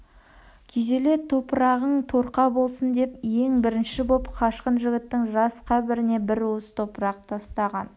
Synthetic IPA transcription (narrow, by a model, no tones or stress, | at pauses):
kʲʰe̞ze̞le̞t̪ʰo̞pəɾɑʁəɴt̪ʰo̞ɾqɑbo̞lˠsənd̪e̞pje̞ŋbɪɾɪnʃɪbo̞pqʰɑʃqənʒɪɡʲɪt̪ːɪŋʒɑsqʰɑbɪɾɪne̞bɪɾwosə̥t̪ʰo̞pəɾɑqt̪ʰɑst̪ɑʁɑn